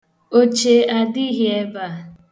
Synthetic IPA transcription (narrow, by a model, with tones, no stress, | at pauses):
o˦t͡ʃe˨a˨di˦ɦi˦e˦ba˦˨